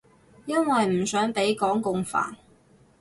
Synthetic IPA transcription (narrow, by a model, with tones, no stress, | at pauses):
jɐ˥nwɐ˨jm̩˨˩sœː˨˥ŋpe˨˥jkɔː˨˥ŋkʊ˨˧ŋfa̰ː˨˩n